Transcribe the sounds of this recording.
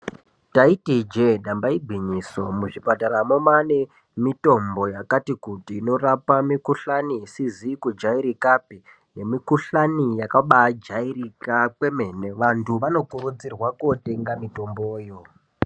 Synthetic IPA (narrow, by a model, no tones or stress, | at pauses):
taitid͡ʒeɗambaiɡʱwiɲiso̞muʐipataɾamomane | mito̞mbo̞jakatikutiːno̞rapamikuɬanisizikud͡ʒaiɾikapi | ne̞mikuɬanijakaɓad͡ʒairikakwe̞me̞ne̞ʋantʰuʋano̞kuɾud͡zirwakote̞ŋɡamito̞mboːjo